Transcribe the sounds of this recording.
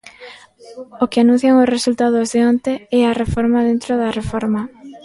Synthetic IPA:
okɪanũn̟θjaŋʊsresult̪að̞ʊzðɪont̪eɛarefɔɾmaðent̪ɾoðɐrefɔɾma

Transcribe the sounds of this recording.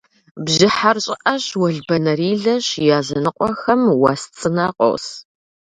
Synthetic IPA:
bʑɪħarɕʼɪʔɐɕwɐɮbɐnɐɾiːɮɐɕjaːzɐnɨqʷʼɔxɐmwaːst͡sʼɨnaːqʷʼɔ̰ws

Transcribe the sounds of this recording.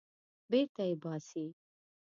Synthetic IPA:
beɾt̪ajebɑsi

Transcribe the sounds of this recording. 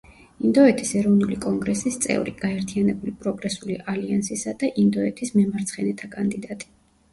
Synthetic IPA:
ind̪ɔɛt̪ʰisɛɾɔvnulikʼɔŋɡɾɛsist̪sʼɛ̰vɾḭɡ̥aɛɾt̪ʰianɛbulipʼɾɔɡɾɛsuliʔaliansisad̪aʔind̪ɔɛt̪ʰismɛmaɾt̪sʰχɛnɛt̪ʰakʼand̪id̪at̪ʼi̥

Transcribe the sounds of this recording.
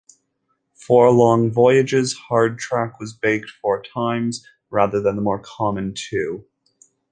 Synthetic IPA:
fɔɹlɔ̃ŋvɔɪɨd͡ʒɪz̥hɑɹd̚tʰɹ̥ækwʌzbeɪk̚tfɔɹtʰãɪ̃mz | ɹæðə˞ðɨ̃nðəmɔɹkʰɑmɨ̃ntʰʉ

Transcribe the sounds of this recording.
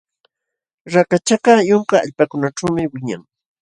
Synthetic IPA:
ɾakat͡ʃakajoŋka̰ːʎpakʊnaʈ͡ʂawmɪwɪɲaŋ

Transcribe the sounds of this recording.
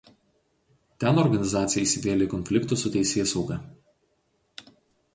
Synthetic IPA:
t̪ʲɛˑnɔɾɡɐnʲɪzɑːt̪sʲɪjɛɪsʲɪʋʲeːlʲekɔnʲfʲlʲɪkt̪ʊˑsʊt̪ʲɛɪsʲeːsɒʊɡɐˑ

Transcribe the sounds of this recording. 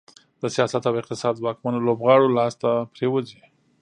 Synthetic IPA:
d̪̥əsijɑsat̪awɪq̚t̪ɪsɑd̪wɑkmanolobɣɑɽolɑst̪apɾewəzi

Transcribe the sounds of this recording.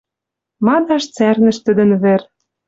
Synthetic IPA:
mɑd̪ɑʃt͡særnə̆ʃt̪ə̆d̪ə̆nβĕr

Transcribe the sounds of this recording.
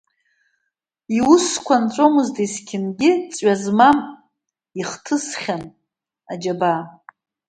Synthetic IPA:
iuskʷʰant͡sʷʼomɨztʰʼeskʲʰɪnɡʲɪt͡sʼɥazmam | iχtʰɨsχʲan | ad͡ʒaba

